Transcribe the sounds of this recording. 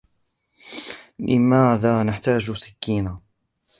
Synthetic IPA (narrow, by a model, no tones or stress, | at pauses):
lʔɪ̰maːðaːnaħt̪aːd͡ʒsɪ̥kːiːnaː